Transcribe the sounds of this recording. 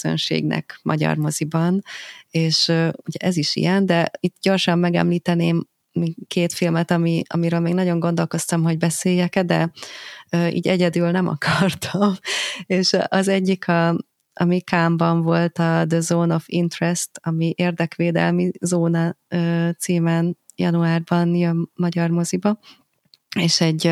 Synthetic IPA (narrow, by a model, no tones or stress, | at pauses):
zø̰nʃḛːɡnɛ̰kmʔɒ̰ɟɒ̰rmo̞zibɒneːʃøuɟɛʔɛziʃḭjɛnd̪ɛit̪ːɟo̞rʃɒmːɛɡɛ̰mliːt̪ɛneːm | mikeːt̪filmɛt̪ɒmiɒ̰miɾøːlmeːɡnɒɟo̞ŋɡo̞n̪d̪o̞lko̞st̪ɒmɦo̞ɟbɛseːjːɛkɛd̪ɛ | øːʔḭːɟɛɟɛd̪ylnɛmɒ̰kʰɒrt̪ʰɒmeːʃʔɒzɛɟːikʰɒ | ʔɒmikaːmbɒɱvo̞lt̪ɒd̪əzoːno̞fḭnt̪rɛst̪ɒmiʔeːrd̪ɛkʋeːd̪ɛ̰lmizoːnɒøːt̪siːmɛn | jɒ̰nuaːrbɒnjɒːɒɟɒrmo̞zibɒ | eːʃɛɟː